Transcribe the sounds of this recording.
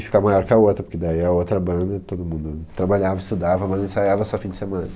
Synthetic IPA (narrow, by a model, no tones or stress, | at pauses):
ɪfi̥kamajɔɾkɪɐot̪ɾɐpoɾked̪aiɐot̪ɾɐbɐ̃nd̪ɐt̪od̪ʊmũnd̪ʊt̪ɾabaʎavɐɪst̪ud̪avɐbɐ̃nd̪ɐ̃sajavɐsɔfĩd͡ʒɪsemɐ̃nɐ